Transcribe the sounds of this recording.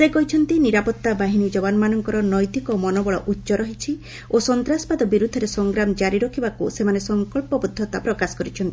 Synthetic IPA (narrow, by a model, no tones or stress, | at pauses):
sekɔɦit͡ʃʰɔnt̪iniɾapɔt̪ːabaɦinid͡ʒɔbanɔmanɔŋkɔɾɔnɔjt̪ikɔmɔnɔbɔɭɔʔutːʃɔɾɔɦit͡ʃʰi | osɔnt̪ɾaspad̪ɔbiɾud̪ʱːɔɾesɔŋɡɾamɔd͡ʒaɾiɾɔkʰibakusemanesɔŋkɔɭpɔbud̪ʱːɔt̪apɾɔkasɔ̥kɔɾit͡ʃʰɔnt̪ii